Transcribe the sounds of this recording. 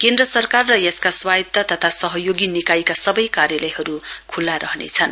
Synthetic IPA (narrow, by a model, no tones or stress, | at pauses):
kend̪rʌsʌrkarːʌjeskaswajt̪ːʌt̪ʌt̪ʰasʌɦʌjoɡinikajkasʌbʌjkaɾjʌlʌjɦʌɾukʰulːaɾʔʌɦnḛt͡sʰʌn